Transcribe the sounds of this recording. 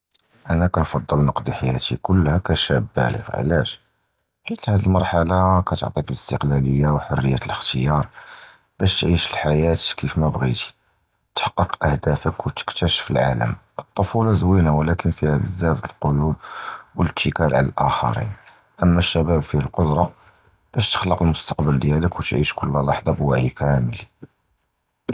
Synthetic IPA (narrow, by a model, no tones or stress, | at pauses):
ʔænækænfɑd̪ˤːəlnɑqd̪iħajæt̪ikʊlːhækæʃæ̰bːæ̰lə̰ɣʕ̰læʃ | ħit̪hæd̪əlmɑɾˤħalɑkæt̪o̰ʕt̪ˤikələst̪əqlæləjːawħorːəjːæt̪ləxt̪əjɑɾˤ | b̥æʃt̪ʕiʃəlħajæt̪kifmæbɣḭt̪i̥ | t̪ə̥ħɑ̥qːəqʔəhd̪æfəkwt̪ə̥kt̪æʃə̥fəlʕa̰lə̰mʔət̪ˤːofulɑzwinawlækənfihæbəzːæft̪əlqʊlud̪̚wəlt̪ʰːəkælʕa̰lə̰lʔæxɑ̰ɾḭn | ʔəmːæʃːæbæbfihælqod̪ɾˤɑ | b̥æʃt̪ə̥xləqəlmʊst̪ɑ̥qbəld̪jæləkwt̪ʕḭʃkʊlːwɑħd̪ˤɑbwaʕjikʰæməli